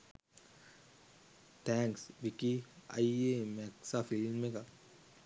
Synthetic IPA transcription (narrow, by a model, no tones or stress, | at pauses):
t̪ʰɛ̃ŋksbikia̰iemɛksafilmeka